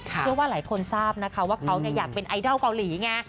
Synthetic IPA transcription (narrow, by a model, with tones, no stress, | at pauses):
ɯ˥˩əwaː˥˩laː˩˦jkʰo˧nsaː˥˩p̚na˦˥kʰa˦˥waː˥˩kʰa˦˥wni˥˩ɐjaː˨˩k̚pe˧nʔa˧jdɔ˥˩wka˧wliː˩˦ŋa˧˥